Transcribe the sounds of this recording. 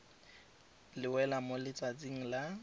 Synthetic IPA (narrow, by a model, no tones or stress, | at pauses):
lɪwɛlamolɪt͡sʼat͡siŋ̩la